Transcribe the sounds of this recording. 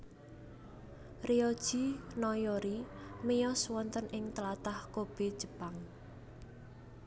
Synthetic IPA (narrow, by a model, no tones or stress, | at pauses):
riɔd̥ʒ̥inɔjoɾimijɔswɔnt̪ənɪŋt̪əlat̪ahkob̥e̤d̥ʒ̥ə̤̥paŋ